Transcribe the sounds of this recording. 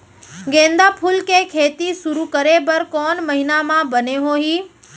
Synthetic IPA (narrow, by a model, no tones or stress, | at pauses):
ɡẽːnd̪apʰʊlkʰeːkʰeːt̪isʊɾukɐɾebɐɾkɔːnmɐɦɪnamãbɐneɦoːɦiː